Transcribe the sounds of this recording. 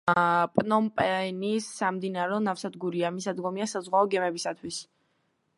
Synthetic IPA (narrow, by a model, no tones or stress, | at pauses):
pʼnɔmpʼɛnisːamd̪inaɾɛɔnafsad̪ɡuɾiamisad̪ɡɔmiasazʁwaɔɡɛmɛbisat̪ʰwis